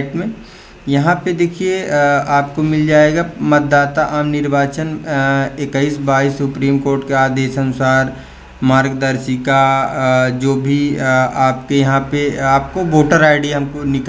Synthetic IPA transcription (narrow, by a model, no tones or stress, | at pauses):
ʈmẽ | jɐɦãped̪eːkʰieaːpkomɪld͡ʒaːeːɡamɐt̪̚d̪aːt̪aʔaːmnɪɾbaːt͡ʃənekəiːsbaːisːʊpɾiːmkoːɾʈkeaːd̪eːʃɐnʊsaːɾ | maːɾɡd̪ɐɾʃika | d͡ʒoːbʱiaːpkejɐɦãpeaːp̚koʋoːʈəɾaːɪɖiɦɐmkonɪk